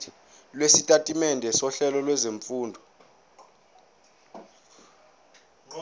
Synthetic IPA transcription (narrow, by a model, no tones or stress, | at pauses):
lwesitʼatʼimɛndʱɛsɔɬɛlɔlwɛzeɱfuːndʱɔ